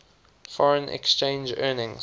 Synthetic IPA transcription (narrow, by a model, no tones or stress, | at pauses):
fɔɹə̃nʔɛ̰kst͡ʃẽnd͡ʒɜːnɪ̃ŋ